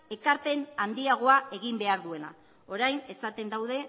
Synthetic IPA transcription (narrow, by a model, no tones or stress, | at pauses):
e̞kaɾpe̞nand̪iaɣ̞o̞ae̞ɣimbe̞aɾðue̞na̰ | o̞ɾajne̞sat̪e̞nd̪awðe̞